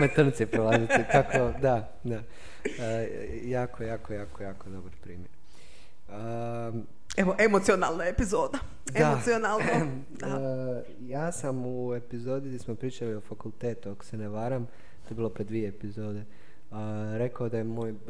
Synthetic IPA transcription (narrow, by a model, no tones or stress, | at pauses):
met̪r̩nt̪sipɾolˠaziit̪akod̪a | d̪a | jaːkoejaːkojaːkojaːkod̪o̞baɾpɾḭːmjeɾ | ə | eʋoʔemot̪sionaːlnojepizoːd̪a | deaoionaːlˠn | jaːsamue̞pizod̪iɡd̪ʲismopɾiːt͡ʃaliofakulˠt̪eːt̪uako̥se̞neʋaːɾam | t̪oebiːlˠo̞pɾed̪ʋieːpizoːd̪e | ɾe̞kaod̪ajemo̞ːj